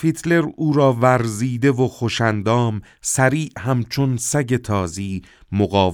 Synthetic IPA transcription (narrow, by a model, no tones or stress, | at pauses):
fit̪ʰle̞ɾuːɾɒːvæɾziːd̪e̞voxoʃænd̪ɒːm | sæɾiːʔhæmt͡ʃʰonsæɟe̞t̪ʰɒːziː | moɣɒː